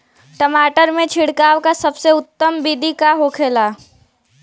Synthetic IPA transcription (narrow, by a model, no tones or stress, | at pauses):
ʈəmaːʈəɾmẽt͡ʃʰɪɽkaːʋkasɐbseʊt̪ːəmbiːɖ̪ikaɦoːkʰeːlaː